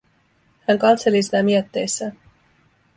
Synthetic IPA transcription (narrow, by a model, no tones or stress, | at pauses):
hæŋkɑt̪se̞lisinæmiøt̪ːejsːæː